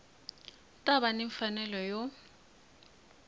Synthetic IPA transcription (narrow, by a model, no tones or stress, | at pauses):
tʼaβaneɱfanɛlɔjo